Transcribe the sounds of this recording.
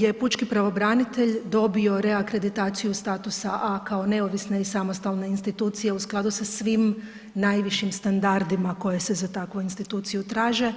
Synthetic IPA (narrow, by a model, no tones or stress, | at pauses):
je̞put͡ʃkipɾaʋo̞bɾanit̪e̞ʎd̪o̞bio̞ɾe̞akɾe̞d̪it̪aːt̪sijust̪aːt̪usaʔakao̞ne̞oʋisneisamost̪alneinst̪it̪uːt̪sije̞usklˠad̪usasʋim | najʋiʃimst̪and̪aɾd̪imako̞jese̞zat̪akʋuinst̪it̪uːt̪sijut̪ɾaːʒe̞